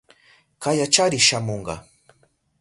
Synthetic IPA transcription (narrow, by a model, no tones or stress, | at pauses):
kajat͡ʃaɾɪʃamoɴɢɑ̰